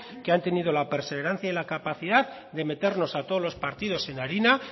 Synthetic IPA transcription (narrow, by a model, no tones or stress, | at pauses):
ke̞ant̪e̞niðo̞lape̞ɾse̞β̞e̞ɾan̟θjailakapaθiðað | ðe̞me̞t̪e̞ɾno̞sat̪oðlospaɾt̪iðo̞se̞naɾina